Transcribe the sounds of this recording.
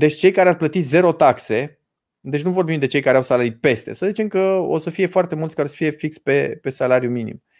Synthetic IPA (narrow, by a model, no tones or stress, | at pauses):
d̪et͡ʃʲt͡ʃejkaɾearplət̪it̪ze̞ɾo̞t̪akse̞ | d̪e̞t͡ʃʲnuvo̞rbimd̪et͡ʃe̞jkaɾeawsalaɾijpe̞st̪e̞̰səzit͡ʃe̞mkəo̞̰səfije̞foart̪e̞mult̪ʲkaosə̥fije̞fiksʲpe̞pe̞salaɾjuminḭm